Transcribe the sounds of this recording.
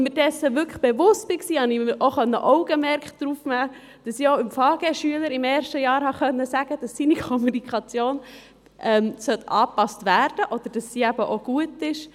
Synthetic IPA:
midɛsːəʋʏkəχb̥ɛʋʊst̚b̥iksiːhɑniʔoχœnːə̰ʔɔʊɡ̥əmɛɾkχtd̥ɾuːfnæː | d̥ɑsiːoɪmfɑːɡ̥eːʃyələɾɪmɛːɾʃtəjɑːɾhɑχœnːəsæɡəd̥ɑsːiːnikʰɔmunikʰχɑt͡sjoːn | ʔɛmsœtɑːpɑstʋæːɾd̥əʔɔd̥̪əɾd̥ɑsːiːæb̥əʔoɡ̥uətɪʃ

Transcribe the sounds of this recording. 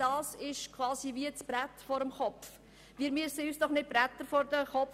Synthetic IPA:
d̥ɑːsɪʃkʰvɑːsiviət͡sb̥ɾætfɔɾəmχɔpf | ʋiːɾmiəsəyːsd̥ɔχnɪt̚b̥ɾæt̪əɾfɔɾdəχɔ

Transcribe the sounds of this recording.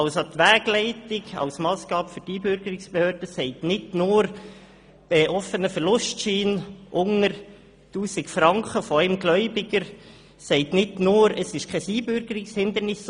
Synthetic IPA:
ɑlst̪ʋæːɡ̥lɛɪtɪɡɑ̰ʊsmɑːsɡ̥ɑːpfʏɾdiːbʏɾɡəɾɪksb̥ehøːɾd̥əsɛɪtnɪtnʊːɾ | b̥ɛʔɔfənəfɛɾlʊstʃiːnʔʊŋəɾ | tuːsɪkfɾɑŋkʰəfɔɛɪmɡ̥lœʏbɪɡəɾ | sɛɪtnɪtnʊːɾəsɪʃkʰɛsiːbʏɾɡ̥əɾɪkshɪnd̪əɾnɪs

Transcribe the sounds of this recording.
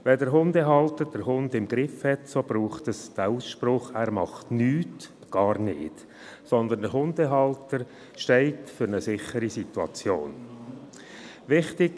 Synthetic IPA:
ʋɛdəɾɦʊndɛɦɑltəɾd̥əɾhʊndɪmɡɾɪfhɛtsob̥ɾuːχtəsd̥æuːsʃpɾʊχæːɾmɑχtnyːt | ɡ̥ɑːɾnɪ̰ːd̥ | sɔnd̪əndəɾɦʊndɛɦɑltəɾ | ʃtɛɪtfʏɾnəsɪχəɾisit̪uɑ̰t͡sjo̰ːn | vɪχtɪɡ

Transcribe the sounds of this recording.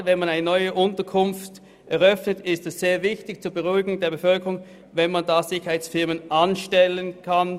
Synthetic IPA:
vɛnmanaɪnənɔʏəʔʊntɐkʰʊnft | ʔɛʁœfnətɪstɛsz̥eːɐvɪçtɪçt͡suːɐbəʁuɪɡʊŋdeːɐbəfœlkəʁʊŋ | vɛnmandaz̥ɪçəɐhaɪt͡sfɪɐmənʔanʃtɛlənkʰan

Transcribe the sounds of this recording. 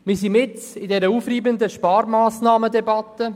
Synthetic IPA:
mɪsimɪt͡sɪdɛɾəuːfriːbənd̪əʃpɑːɾmaːsnɑːmədɛbɑt̪ːə

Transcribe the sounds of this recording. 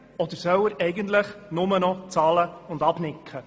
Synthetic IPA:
ɔd̪əɾsœwəɾɛɪɡənt̪ləχnʊmənɔt͡sɑːləʊnd̪ɑbnɪkχə

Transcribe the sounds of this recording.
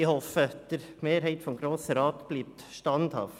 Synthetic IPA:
ɪhofəɛt̪əɾmeːɾheɪt̪fɔmɡɾoːsəɾɑːt̪b̥lip̚t̪ʃtɑnd̪ɑ̰f

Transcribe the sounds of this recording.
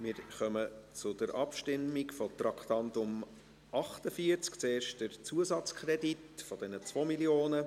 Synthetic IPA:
mɪːɾχœmət͡sʊd̥əɾʔɑpʃtɪmːikfɔt̪ɾɑkt̪ɑntʊm | ɑχtəfiəɾt͡skt͡seːɾʃtd̥əɾt͡suəsɑt͡skʰɾɛditfɔd̥ɛnət͡svomiljoːnə

